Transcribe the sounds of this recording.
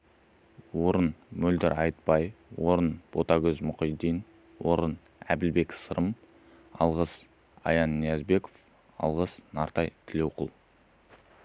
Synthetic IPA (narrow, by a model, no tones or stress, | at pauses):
wo̞ɾənmɵld̪ɪɾʔɑjt̪̚pɑjwo̞ɾənb̥o̞t̪ɑɡʲɵzmʊqijd̪ijn | wo̞ɾən | æ̰bɪlbe̞ksəɾʔəm | ɑ̰lˠʁəs | ɑ̰jɑnːijɑzbe̞ko̥f | ɑ̰lˠʁəsnɑɾt̪ɑjt̪ʰɪle̞wqʰəlˠ